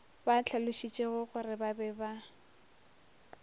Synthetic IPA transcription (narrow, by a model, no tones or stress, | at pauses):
bat͡ɬʰalʊʃit͡ʃʼeɣʊɣʊrɪbabɛba